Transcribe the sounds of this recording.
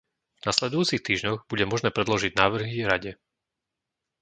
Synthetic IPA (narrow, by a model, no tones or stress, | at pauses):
vnaslɛd̪ujuːt͡sixt̪iːʒɲɔɣbuɟɛmɔʒnɛːpɾɛd̪lɔʒiɟnaːʋr̩ɦiɾaɟɛ